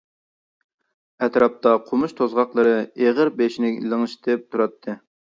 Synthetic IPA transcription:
ɛt̪ɾɑp̚t̪ɑqʰomuʃt̪ʰozʁɑqlˠɨɾɨeʁəɾbeʃnɪlˠɨŋɨʃt̪ʰɨp̚t̪ʰuɾɑt̪ʰːɨ

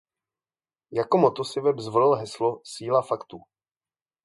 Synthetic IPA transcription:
jakomot̪osɪvɛbzvolɛlɦɛslosiːlafakt̪uː

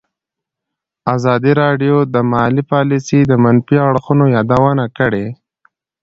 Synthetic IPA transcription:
azɑd̪iɾɑɖjod̪əmalipɑlisid̪əmanfiaɽxunojɑd̪awənakəɽe

